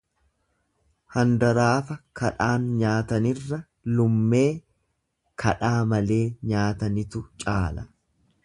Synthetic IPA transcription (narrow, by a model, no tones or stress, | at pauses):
hɐnd̪ɐɾaːfɐkʰɐᶑaːnɲaːt̪ɐnɪrːɐ | lʊmːe̞ː | kʰɐᶑaːmɐle̞ːɲaːt̪ɐnɪt̪ʊt͡ʃʼaːlɐ